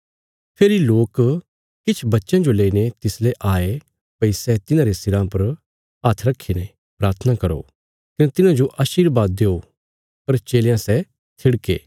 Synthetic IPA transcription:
pʰeːɾiloːk | kɪt͡ʃʰbɐtːʃãd͡ʒoleːinet̪ɪsleʔaːe | pɐisɛt̪ɪnãɾestɪɾãpɐɾ | at̪ʰɾɐkʰːine | pɾaːɾt̪ʰənakɐɾo̰ː | kɐnet̪ɪnãd͡ʒoʔaːʃiːɾbaːd̪̚ːeːɦo | pɐɾt͡ʃeːljãsɛ | t̪ʰɪɽkḛː

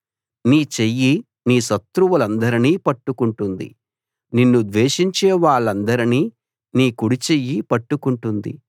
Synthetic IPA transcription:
niːt͡ʃejːi | niːsɐt̪ɾuʋɐlɐnd̪ɐɾiniːpɐʈːukuɳʈund̪ḭ | ninːud̪ʋeːʂiɲt͡ʃeːʋaːɭːɐnd̪ɐɾiniː | niːkuɽit͡ʃejːipɐʈːukuɳʈund̪ḭ

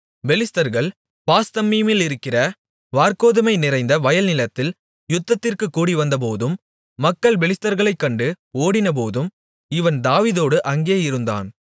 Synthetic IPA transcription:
bɛlɪst̪ɐɾɣɐɭ | paːst̪ɐmːimɪlɪɾɯkːɪrɐ | ʋaːɾkoːðɯmɐɪnɪrɐɪnd̪ɐʋɐjɐlnɪlɐt̪ːɪl | jʊt̪ːɐt̪ːɪrkɯkːuːɽiʋɐnd̪ɐp̬oːðɯmː | ɐkːɐɭbɛlɪst̪ɐɾɣɐɭɐɪkːɐɳɖɯ | oːɽɪnɐp̬oːðɯm | ɪʋɐnd̪aːʋiːðoːɽɯʔɐŋɡeːɐjɪɾɯnd̪a̰ːn

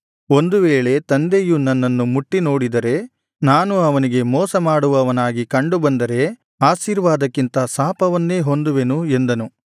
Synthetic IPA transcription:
o̞nd̪uʋeːɭe̞t̪ɐnd̪ejunɐnːɐnːumuʈːino̞ːɽid̪ɐɾe̞ | naːnuɐʋɐniɡe̞mɔːsɐmaːɽuʋɐʋɐnaːɡikɐɳɖubɐnd̪ɐɾe̞ | aːʃiːɾʋaːd̪ɐkːint̪ɐsaːpɐʋɐnːe̞ːɦo̞nd̪uʋe̞nue̞nd̪ɐnu

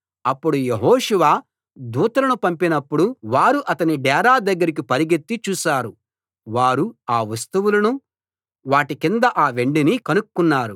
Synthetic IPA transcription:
ɐpːuɽujeɦɔːʂuʋaː | d̪uːt̪ɐlɐnupɐmpinɐpːuɽuʋaːɾuʔɐt̪ɐniɖɛːɾaːd̪ɐɡːɐɾik̬ipɐɾiɡet̪ːit͡ʃuːʃaːɾu | ʋaːɾuaːʋɐst̪uʋulɐnu | ʋaːʈikind̪ɐʔaːʋe̞ɳɖinikɐnukkːunːaːɾu

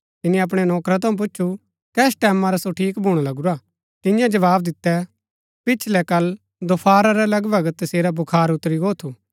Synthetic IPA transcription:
t̪ɪnĩɛɐp̬ɽ̃ɛnɔːkɾat̪ɐũp̬ʊːʃʰu | kɛːs̬ʈɛːmãɾasoʈʰiːkbʱuːɽ̃alɐɡuɾa | t̪ɪjãd͡ʒɐʋaːbd̪ɪt̪ːɛ | pɪt͡ʃʰlɛkɐl | d̪opʰaːɾaɾɛlɐɡbʱɐɡt̪ːɐseːɾabʊkʰaːɾʊt̪ːɾiɡoːt̪ʰuː

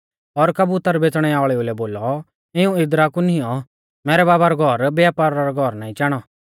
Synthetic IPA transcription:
ɔɾkɐbut̪əɾbet͡sɽ̃ɛaːɭɛulɛboːlɔ | ɪũɪd̪ɾakunijɔ | mɛːɾɛbaːbaɾɔɡʱɔɾbɛapaːɾaɾɔɡʱɔɾnaːĩt͡ʃɛːɽ̃ɔ

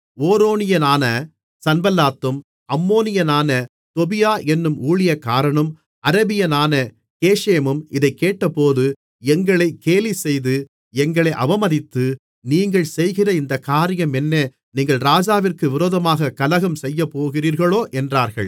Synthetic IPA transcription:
oːɾoːnɪjɐnaːnɐ | sɐnbɐlːaːt̪ːɯm | ɐmːoːnɪjɐnaːnɐ | t̪ɔbɪjaːʔɛnːɯmʔuːɭɪjɐkaːɾɐɳɯm | ɐɾɐbɪjɐnaːnɐ | keːʂeːmɯmɪðɐɪkːeːʈːɐpːoːðɯ | ɛŋɡɐɭɐɪkeːlisɛjðɯ | ɛŋɡɐɭɐɪʔɐʋɐmɐðɪt̪ːɯ | niːŋɡɐɭsɛjɣɪrɐɪnd̪ɐkaːɾɪjɐmɛnːe | niːŋɡɐɭɾaːd͡ʒaːʋɪrkɯʋɪɾoːðɐmaːɣɐkɐlɐɣɐmsɛjːɐpːoːɣɪriːɾɣɐɭoːʔɛndraːɾɣɐ̰ɭ

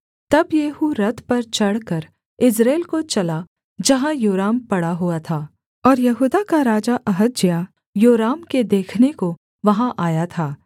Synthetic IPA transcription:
t̪ɐbjeːhuɾɐt̪pɐɾt͡ʃɐɽkɐɾ | ɪsɾeːlkot͡ʃɐla | d͡ʒɐɦãjoːɾaːmpɐɽaɦuat̪ʰaː | ɔːɾjɐɦuːd̪akaɾaːd͡ʒaʔɐɦəd̪̚d͡ʒijaː | joːɾaːmked̪eːkʰneko | ʋɐɦãʔaːjat̪ʰaː

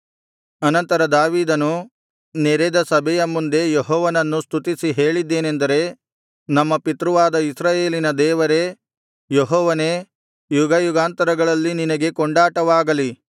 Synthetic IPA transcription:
ɐnɐnt̪ɐɾɐd̪aːʋiːd̪ɐnu | neɾed̪ɐsɐbʱɛjɐmːund̪e̞jeɦɔːʋɐnɐnːust̪ʰut̪isiɦe̞ːɭid̪ːeːnend̪ɐɾe̞ | nɐmːɐpit̪ɾuʋaːd̪ɐisɾaːje̞ːlinɐd̪ɛːʋɐɾe̞ | jeɦɔːʋɐne | juɡɐjuɡaːnt̪ɐɾɐɡɐɭɐlːininɐɡe̞kɔɳɖaːʈɐʋaːɡɐli

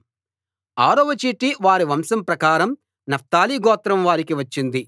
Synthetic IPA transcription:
aːɾoʋɐt͡ʃiːʈːiʋaːɾiʋɐmsɐmpɾɐkaːɾɐm | nɐf̚t̪aːliːɡɔːt̪ɾɐmʋaːɾikiʋɐt͡ʃːind̪i

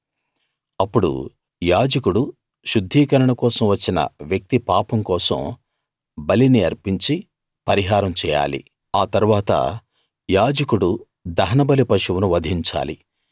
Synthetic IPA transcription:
ɐpːuɽṵ | jaːd͡ʒɐkuɽu | ʃud̪ʱːiːkɐɾɐɳɐkɔːsɐmʋɐt͡ʃːinɐ̰ʋjɐk̚t̪ipaːpɐmkɔːsɐ̰m | bɐliniɐɾpiɲt͡ʃi | pɐɾiɦaːɾɐmt͡ʃɛːja̰ːlḭ | aːt̪ɐɾuʋaːt̪ɐ̰ | jaːd͡ʒɐkuɽu | d̪ɐɦɐnɐbɐlipɐʃuwunuʋɐd̪ʱiɲt͡ʃa̰ːlḭ

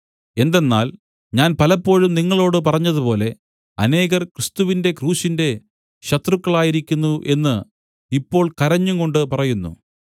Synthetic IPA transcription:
e̞nd̪e̞nːa̰ːl | ɲaːnpɐlɐpːo̞ːɻumniŋːɐɭo̞ːɽɨp̬ɐrɐɲːɐðupo̞ːle̞ | ɐne̞ːɣɐrkrɨst̪uʋinde̞kruːɕinde̞ | ɕɐt̪rukːɐɭaːjiɾikʲːunːuʔe̞nːɨ | ipːo̞ːɭkɐɾɐɲːuŋko̞ɳɖɨpɐrɐjunːṵ

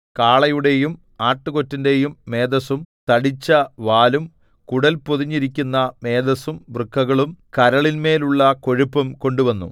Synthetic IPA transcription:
kaːɭɐjuɽe̞jum | aːʈːuko̞tːinde̞jumːe̞ːd̪ɐsumt̪ɐɽit͡ɕːɐʋaːlum | kuɽɐlpoðiɲːiɾikʲːunːɐme̞ːd̪ɐsumʋrɨkʰːɐɣɐɭumkɐɾɐɭinme̞ːluɭːɐko̞ɻupːɐmko̞ɳɖuʋɐnːṵ

